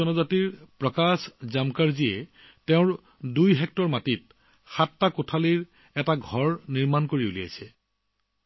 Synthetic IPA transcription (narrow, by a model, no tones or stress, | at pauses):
ɔnɔzatiɹpɹɔkaszamkaɹziɛ | teʊ̃ɹ | dujɦɛk̚tɔɹmatit̚ | xatːakotʰaliɹ | ɛtaɡʱɔɹniɹmankoɹiolia̰jsɛ